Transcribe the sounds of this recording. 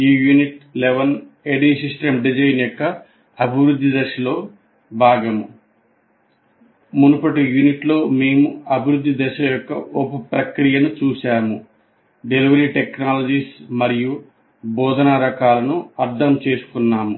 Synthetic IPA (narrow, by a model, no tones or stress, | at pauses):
iːjuniʈleʋɐn | eɖiːsisʈemɖid͡ʒɐjnjɔkːɐ | ɐbʱiʋɾud̪ʱːid̪ɛʃɐlo̞ː | bʱaːɡɐmu | munupɐʈijuniʈlo̞ːme̞ːmuɐbʱiɾud̪ʱːid̪ɛʃɐjɔkːɐʔopupɾɐkɾijɐnut͡ʃuːʃaːmu | ɖe̞liʋɐɾiːʈeknaːlɐd͡ʒiːsmɐɾiju | bɔːd̪ʱɐnɐɾɐkaːlɐnuɐɾd̪ʱɐmt͡ʃe̞ːsu̥kunːaːmu